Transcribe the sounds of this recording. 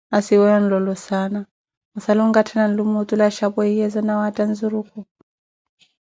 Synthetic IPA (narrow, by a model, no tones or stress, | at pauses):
asiwɛjɔn̩lɔlɔsana | ɔsalɔŋɡatʰanan̩lumutʼulaʃapɔijɛzɔnawatʼanzuɾukʼɔ